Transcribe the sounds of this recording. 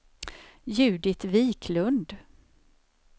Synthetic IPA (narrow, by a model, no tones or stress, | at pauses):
jʉ̟ːd̪ɪt̪viːkʰlɵnd̪